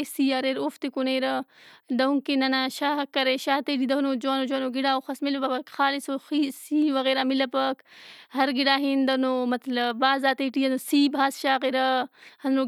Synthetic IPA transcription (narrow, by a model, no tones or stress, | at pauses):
siːaɾeɾoft̪ikuneːɾɐd̪ɐuŋkenɐnaʃaːɦɐkːɐɾeʃaːt̪eːʈid̪ɐɦunod͡ʒoːnod͡ʒoːnoɡiɽaːoxɐsmilɐpɐɐkxaːlisoxisiːʋɐɣeːɾaːmilɐpɐkhɐɾɡiɽaːɦind̪ɐnomɐt̪ləbaːzaːt̪eːʈiːɐnosiːbʱaːsʃaːɣeɾɐhɐnɾo